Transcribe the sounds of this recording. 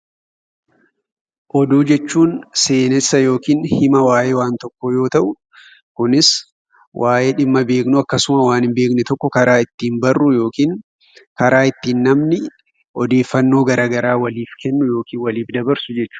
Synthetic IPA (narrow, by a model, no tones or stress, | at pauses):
ʔɔd̪uːd͡ʒɛt͡ʃːuːnseːnɛsːɐjo̞ːkiːnhɪmɐwaːʔeːwaːnt̪ɔkːojo̞ːt̪ɐʔʊ | kʊnɪs | wʔaːʔeːᶑɪmːɐbe̞ːknʊɐkːɐsʊmɐwaːnɪmbe̞ːknɪt̪ɔkːɔkɐɾaːɪt̪ːiːmbɐrːʊjo̞ːkiːŋ | kɐɾaːɪt̪ːiːnːɐmnɪ | ʔɔd̪e̞ːfːɐnːo̞ːɡɐɾaːɡɐɾaːwɐliːfkɛnːʊjo̞ːkiːnwɐliːfd̪ɐbɐɾsʊd͡ʒɛt͡ʃːʊ̥